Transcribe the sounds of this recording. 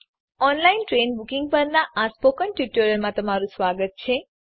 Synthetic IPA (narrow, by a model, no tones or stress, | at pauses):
ɔnlainʈɾenbukĩŋɡ̚pəɾnaʔaspokəɳʈjuʈəɾəlmãt̪əmaɾũsʋaɡət̪̚t͡ʃʰe